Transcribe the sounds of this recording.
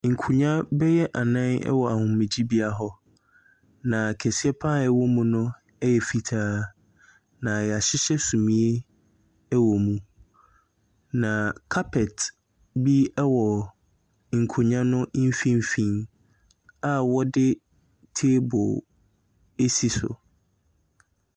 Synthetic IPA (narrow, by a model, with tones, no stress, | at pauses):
ŋ̩˨kʰu˨ɲã˦bɛ˦jɛ˦ʔa˨nã˦nɛ̰˦wɔ˨a˨hʊ̃˨m˦mɪ̃˨d͡ʑi˦bi˦a˦ɦɔ˦ | nã˨kʰɛ˨si˦ɛ˦pʰa˦ɛ˦wɔ˦mũ˦nʊ̃˦ | ɛ˦jɛ˨fi˨tʰaː˦ | nã˨jɛ˨a˨ɕɪ˦ɕɛ˦sũ˨mĩ˨˦e˦ | ɛ˦wɔ˨mũ˨ | nã˨kʰa˦pʰɛ˨t | bi˦ɛ˦wɔ˨ | ŋ̩˨kʰo˨ɲã˦nʊ̃˦ʔm̩˦fĩ˦m˦fĩ˨n | a˨wɔ˦dɪ˦ | tʰe˦bʊ̰˨ | e˦si˨sʊ̰˨